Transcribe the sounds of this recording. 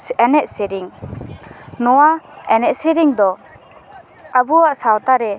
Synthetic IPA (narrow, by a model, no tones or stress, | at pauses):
ɛnɛʔ̚siɾiŋ | nɔwaɛnɛʔsiɾiŋd̪ɔ | abuaʔsawt̪aɾɛ